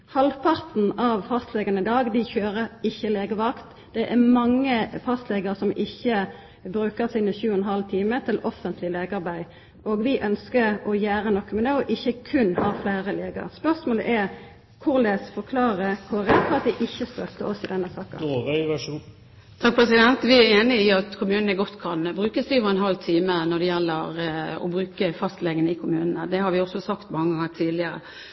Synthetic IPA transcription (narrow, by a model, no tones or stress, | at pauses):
hɑlʋpʰɑʁt̪n̩ɑʋfɑst̪lɛɡɑnəɪd̪ɑːɡd̪ɪçøːɾəɪçːəleːɡəʋɑkt̪ | d̪̥ɛʔæʁmɑŋːəfɑst̪lɛɡəʁsɔmʔɪçːə | bɾʉːkəʁsɪnəçʉːɛnɦɑlt̪ʰiːmət̪ʰɪlɔfənt̪ʰlɪleːɡəɑʁbæɪ | ʔoːɡʋɪʔœnskəɾɔjæːʁənɔkːmɛd̪ɛɔʔɪçːəkʰʉnːhɑʁflæɪʁəleːɡə̰ʁspœʁsmoːlə̰ʔæʁ | kʰʊɾleːsfɔɾkʰlɑːɾəkʰoɾɛt̪fɔɾɑt̪̚d̪ɛʔɪçːəst̪œt̪əɔsɪd̪ɛnːəsɑːkə̰ | t̪ʰɑk̚pʰʁɛsɪd̪ɛnt̪ʋɪæeːnɪɪɑt̪kʰʊmʉːnn̩ɛɡɔt̪ːkʰɑnbɾʉːkəsd̪ɛɔʋəɾɛnɦɑlːt̪ʰiːmənɔɖ̪ɛjɛlːəɾɔ̰bɾʉːkəfɑst̪lɛɡənəɪkʰʊmʉːnənəd̪ɛhɑɾʋɪɔsɔsɑkt̪mɑŋːəɡɑŋːət̪ʰiːd̪lɪəɾə̰